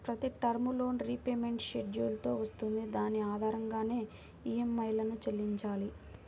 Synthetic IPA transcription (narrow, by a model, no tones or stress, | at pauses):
pɾɐt̪iʈɐɾmulo̞ːnɾipeːme̞ɳʈʃeɖjuːlt̪o̞ːʋɐst̪und̪id̪aːniaːd̪ʱaːɾɐŋɡaːne̞ː | iːemːɐjlɐnut͡ʃelːiɲt͡ʃaːli